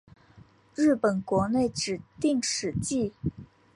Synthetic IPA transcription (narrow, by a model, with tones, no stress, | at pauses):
ɻɻ̩˥˩pə˨˩nkwɔ˧˥ne˥˩ɪʈ͡ʂɻ̩˨˩t̪i˥˩ŋʂɻ̩˧˥t͡ɕi˥˩